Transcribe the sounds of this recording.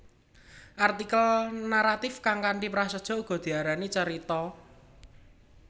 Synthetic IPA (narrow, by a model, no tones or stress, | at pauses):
ʔart̪ikəlnaɾat̪ɪfkaŋkaɳɖipɾasəd̥ʒ̥ɔ̤uɡ̥ɔ̤d̪̥i̤aɾanit͡ʃəɾit̪ɔ